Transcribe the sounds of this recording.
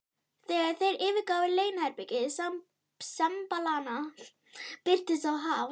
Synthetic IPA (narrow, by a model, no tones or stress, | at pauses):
θɛɣaɾ̥θejɾɪːvɪɾkaːwɪleːjnɛɾpɪcɪðsa | sɛmpalaːna | pɪr̥t̪ɪsawɦav